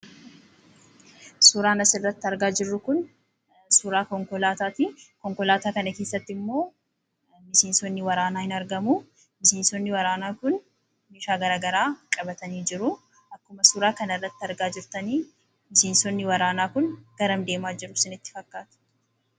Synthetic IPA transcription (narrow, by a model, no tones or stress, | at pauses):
suːɾaːnɐsɪrːɐt̪ːɪɐɾɡaːd͡ʒɪrːʊkʊn | suɾaːkɔŋkɔlaːt̪aːt̪ikɔŋkɔlaːt̪aːkɐnɐkeːsːɐt̪ːɪmːo̞ː | mɪʃeːnsɔnːɪwɐɾaːnaːhɪnɐɾɡɐmu | bɪʃeːnsɔnːɪwɐɾaːnaːkʊn | meːʃaːɡɐɾaːɡɐɾaːkʼɐbɐt̪ɐniːd͡ʒɪɾʊ | ɐkːʊmɐsuːɾaːkɐnɪrːɐt̪ːɪɐɾɡaːd͡ʒɪɾt̪ɐniː | mɪʃeːnsɔnːɪwɐɾaːnaːkʊnɡ̥ɐɾɐmd̪e̞ːmaːd͡ʒɪɾʊsɪnɪt̪ːɪ̥fɐkːaːt̪ʊ̥